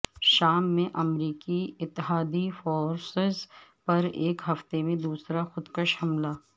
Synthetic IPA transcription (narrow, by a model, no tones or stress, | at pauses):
ʃaːmːẽʔɐmɾiːkiɪt̪ːɪɦaːd̪ifoːɾsɪzpɐɾeːkɦɐft̪emẽd̪uːsɾaxʊd̪kəʃhɐmlaː